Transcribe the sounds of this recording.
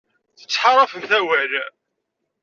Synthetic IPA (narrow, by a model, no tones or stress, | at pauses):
θə̥t͡sːħaɾˤɑfənθæwæl